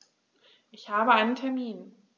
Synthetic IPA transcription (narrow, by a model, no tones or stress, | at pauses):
ʔɪçhaːbəʔaɪnəntʰɛɐmiːn